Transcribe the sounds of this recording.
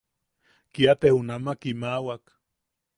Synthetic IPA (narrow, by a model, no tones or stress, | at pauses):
kiat̪ehunamakimawak